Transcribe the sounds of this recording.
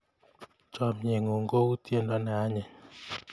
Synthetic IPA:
t͡ʃɔ˨mɲe˨ŋo˨ŋɡo˦u˦tʰje˦ndɔ˦na˨a˦ɲɛ˨ɲ

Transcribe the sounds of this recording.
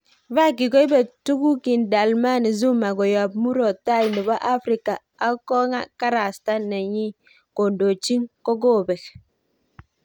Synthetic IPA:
va˦˨ki˨ɡo˦i˦be˨tu˦ɡu˦ki˨nda˨lma˦ni˨zu˦ma˨ɡo˨ja˨b̚mu˦ɾo˨ta˦˨i˨ni˨ba˦ʔa˦fɾi˦ka˨ | a˦kɔ˦ŋa̰˦ka˦ɾa˨sta˦ne˨ɲi˦ | ko˨ndo˨t͡ʃi˦ŋko˦ɡo˦˨bɛ˨k

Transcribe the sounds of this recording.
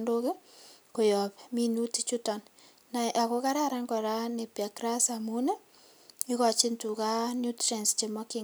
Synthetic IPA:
ndo˦ke˦ko˨jɔ˨pmi˦nu˦ti˦t͡ʃu˦tɔ˨n | na˨ʔa˨ko˦ka˦ɾa˦ɾa˦ŋɡɔ˨ɾa˦ne˨pja˨kɾa˦samu˦ne˦ | i˦ka˨t͡ʃi˦ntu˨ka˦nju˦tɾe˨nst͡ʃe˨mɔ˦ki˦

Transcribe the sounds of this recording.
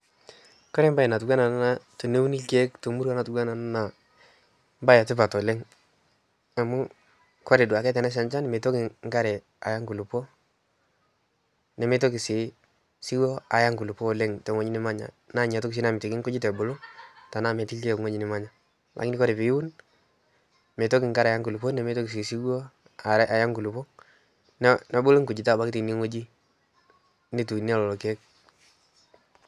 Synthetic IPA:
kɔ˦ɾɛ˦mba˦ɛ˨na˨tu˨ɡwa˦na˨n˦na˨˦to˨ne˦wu˦ni˦lke˦kto˨mu˦ɾwa˦na˨tu˦ɡa˦na˨n˦na˨ | mba˦ja˨tɪ˦pa˨tɔ˨le˦ŋ | a˨mu˦ | kɔ˦ɾɛ˨du˨a˨kɛ˦t̬ɛ˨na˦ʃ̬a˨nt͡ʃa˦ni˨me˨to˦kɪ˨ŋɡa˦ɾɛ˨ | a̰˨ja˦ŋɡu˨lu˨pɔ˦ | nɛ˨me˦to˦ki˨sɪ˨˦ | si˦wɔ˦a˨ja˦ŋɡu˨lu˨pɔ˦le˦ŋtɛ˨ŋo˦ɲi˦nɪ˦ma˦ɲa̰˨ | na˦˨ɲa˨to˦ki˨s̬i˦na˨mɪ˨to˨kɪ˦ŋkʊ˦d͡ʒi˦tɛ˨bʊ˨lo˦ta˨na˦˨mɛ˨ti˦lke˦˨kŋo˦d͡ʒi˦nɪ˦ma˦ɲa˨ | ma̰˨kni˦kɔ˦ɾɪ˨pi˨jwʊ˦n | mɛ˨to˦kɪ˨ŋka˦ɾa˨ja˦ŋku˨lu˨pɔ˦nɛ˨me˦to˦ki˨si˨si˦ɡɔ˦ | a˨˦ʔa˨ja˦ŋku˨lu˨pɔ˦ | n˦nɛ˦bʊ˦lʊ˦ŋkʊ˨d͡ʒɪ˦ta˦˨ba˦kti˨ni˦ŋo˦d͡ʒi˦ | ni˦tu˨ni˦a˦lɔ˨lɔ˨ke˦k̚

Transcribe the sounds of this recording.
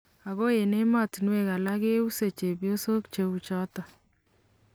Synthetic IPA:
a˨ɣo˦je˨ne˦ma˦˨ti˨nwe˨ka˨la˦ke˦u˦se˨t͡ʃe˨bjo˦so˦kt͡ʃe˨u˨t͡ʃɔ˦tɔ˨

